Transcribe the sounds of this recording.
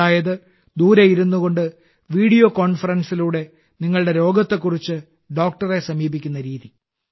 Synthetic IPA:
aːjɐðɨ | d̪uːɾɐjiɾunːuɣo̞ɳɖɨ | ʋiːɽijo̞ːkoːɳfɐrɐnsiluːɽe̞ | niŋːɐɭɨɽe̞ɾo̞ːɡɐt̪ːe̞kːurit͡ɕːɨ | ɖo̞ːk̚ʈɐre̞sɐmiːbikʲːunːɐɾiːði

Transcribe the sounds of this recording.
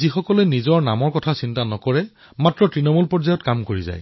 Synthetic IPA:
zixɔkɔlɛnizɔɹnamɔɹkɔtʰasintanɔkɔɹɛ | matɹɔtɹinɔmɔlpɔɹzajɔtkamkoɹiza̰j

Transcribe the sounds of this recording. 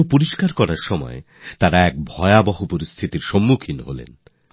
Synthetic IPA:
opuɾiʃkaɾkɔɾaɾʃɔmɔ̰e | t̪aɾaɛk̚bʱɔeabɔɦupoɾist̪ʰit̪iɾʃomːukʰinɦo̰lḛn

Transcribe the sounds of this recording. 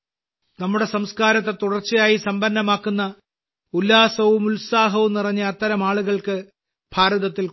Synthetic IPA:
nɐmːuɽe̞sɐmskaːɾɐt̪̬ːe̞t̪uɽɐrt͡ɕːɐjaːjisɐmbɐnːɐmaːkːunːɐ | ulːaːsɐʋumulsaːɦɐʋumnirɐɲːɐɐt̪ːɐɾɐmaːɭuɣɐɭkɨ | b̥ʱaːɾɐðɐt̪ːil

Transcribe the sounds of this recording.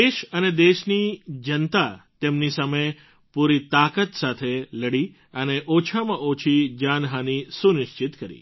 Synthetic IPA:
eʃəned̪eʃnid͡ʒənt̪at̪emnisəməj | puɾit̪akət̪sat̪ʰeləɽi | əneʔot͡ʃʰamãʔot͡ʃʰid͡ʒanɦanisunɪʃt͡ʃɪt̪kəɾḭ

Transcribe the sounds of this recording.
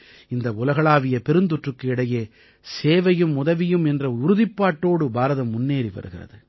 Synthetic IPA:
ɪnd̪ɐʊlɐɣɐɭaːʋɪjɐpɛɾɯnd̪ʊʈrɯkːɯɪɽɐjeː | seːʋɐjɯmːʊðɐʋɪjɯmɛndrɐʊɾʊðɪpːaːʈːoːɽɯbaːɾɐðɐmːʊnːeːɾiʋɐ̰ɾɯɣɪrɐ̰ðɯ

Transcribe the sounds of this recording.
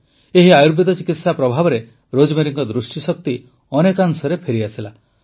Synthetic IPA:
eɦiajuɾbʱit̪ɔt͡ʃikit̪sapɾɔbʱabɔɾe | ɾod͡ʒmeɾiŋkɔd̪ɾusʈisɔk̚t̪i | ɔnekaŋsɔɾepʰeɾiasʰila

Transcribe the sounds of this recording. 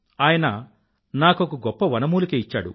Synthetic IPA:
aːjɐnɐ | naːkokuɡɔpːɐʋɐnɐmuːlukeːit͡ʃːa̰ːɽṵ

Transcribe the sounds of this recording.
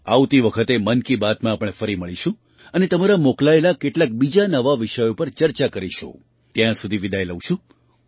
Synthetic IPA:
a̰wt̪iʋəkʰət̪emənkibat̪mãapɽ̃efəɾiməɭiʃũ | ənet̪əmaɾamoklaelakeʈlak̚bid͡ʒanəʋaʋiʃəjopəɾt͡ʃəɾt͡ʃakəɾiʃo̰ | t̪jãsud̪ʱiʋid̪ʱajləʋ̃ʃʰũ

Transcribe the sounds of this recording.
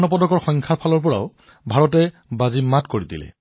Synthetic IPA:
nɔpɔdɔkɔɹxɔjŋkʰaɹpʰalɔɹp̬ɔɹa̰ʊ | bʱaɹɔtɛ | bazimatkoɹidḭlɛ̰

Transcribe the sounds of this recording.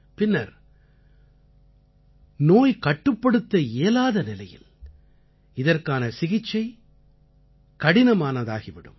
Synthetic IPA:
pɪnːɐɾ | noːjkɐʈːɯpːɐɽɯt̪ːɐeːlaːðɐnɪlɐjɪ̰l | ɪðɐrkaːnɐsɪɣɪt͡ʃːɐɪ | kɐɽɪnɐmaːnɐða̰ːɣiʋɪɽɯ̰m

